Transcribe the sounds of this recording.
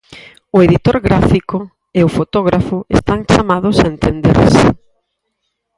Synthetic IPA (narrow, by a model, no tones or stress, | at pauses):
ʊeðit̪oɾɣɾafikʊ | eʊfot̪ɔɣ̞ɾafʊḛst̪aŋt͡ʃamaðʊsaent̪end̪ḛɾsɪ̰